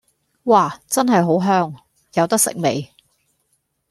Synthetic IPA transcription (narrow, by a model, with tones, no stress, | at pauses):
waː˥˩t͡sɐ˥nɦɐ˨jɦo˨˥wɦœː˥ŋ | jɐ˨˧wt̪ɐ˥k̚sɪ̰˨k̚me˨j